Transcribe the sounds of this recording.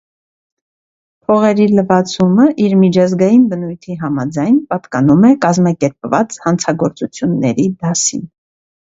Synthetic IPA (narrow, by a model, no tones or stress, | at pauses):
pʰɔʁɛɾiləvɑt͡sʰuməʔiɾmit͡ʃʰɑzɡɑjinbənujt̪ʰiɦɑmɑd͡zɑjnpɑt̪kɑn̪umɛkɑzmɑkɛɾpvɑt͡shɑnt͡sʰɑɡɔɾt͡sut͡sʰjunːɛ̰ɾid̪ɑsḭn